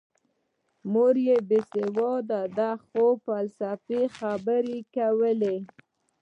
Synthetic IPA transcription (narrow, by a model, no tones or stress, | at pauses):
moɾjebesewɑd̪ad̪axofalsafexabəɾekawəle